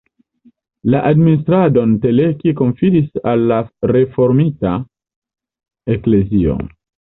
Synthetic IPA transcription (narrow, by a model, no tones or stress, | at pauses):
laʔadminis̬tɾado̞nte̞le̞kiko̞ɱfiɾisalːaɾe̞fo̞ɾmita | ekle̞zio̰